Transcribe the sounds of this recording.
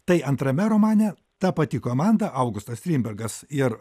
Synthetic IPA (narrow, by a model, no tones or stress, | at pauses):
t̪ɐɪʔɐnt̪ɾɐmʲɛɾoːmɑːnʲɛ | t̪ɑpɐt̪ʲɪkoːmɑnd̪ɐʔɐʊɡʊst̪ɐsst̪ʲɾʲiːmʲbʲɛɾɡɐsɪr